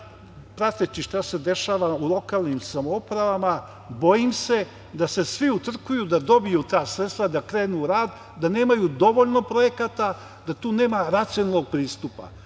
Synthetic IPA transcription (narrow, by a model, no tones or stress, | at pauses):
pɾat̪et͡ʃiʃt̪ase̞d̪e̞ʃaːʋaulˠo̞kaːlˠnimsamoupɾaʋama | bo̞jimse̞ | d̪ase̞sʋiut̪r̩kujud̪ad̪o̞bijut̪aːsɾet̪st̪ʋad̪akɾeːnuɾaːd̪ | d̪ane̞ːmajud̪o̞ʋoʎno̞pɾo̞je̞kat̪a | d̪at̪uːne̞ːmaɾat̪sionaloɡ̚pɾiːst̪upa̰